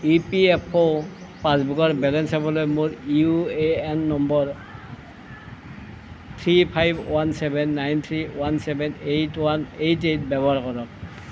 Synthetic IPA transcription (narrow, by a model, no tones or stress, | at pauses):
ipiɛpʰɔ | pãsbuɡɔɹbɛlɛnsabɔlojmuɹiueɛnːɔmbɔɹ | t̪ʰɹipʰajbwansɛbʱɛnːajnt̪ʰɹiwansɛbɛnejtwanejtejtbɛbɔɦaɹkɔɹɔk